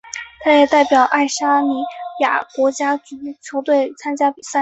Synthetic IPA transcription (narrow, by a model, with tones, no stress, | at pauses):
t̪ʰa˥jɛ˨˩t̪a˥˩ɪpjɑ˨˩ʊʔa˥˩ɪʂa˥ni˧˥ja̰˨˩kwɔ˧˥t͡ɕja˥t͡ɕy˧˥t͡ɕʰjo˧˥ʊt̪we˥˩ɪt͡sʰa˥nt͡ɕja˥pi˨˩sa˥˩